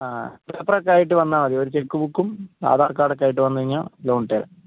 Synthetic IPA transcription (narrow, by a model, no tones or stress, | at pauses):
aːpeprɐkːaːjiʈ̬ːɨʋɐnːaːmɐðioɾut͡ɕekːuʋukːumja̰ːd̪ʱaːrkaːɽɐkːaːjiʈːɨʋɐnːɐʋiɲːa̰lloːɳʈeːɾɐ̰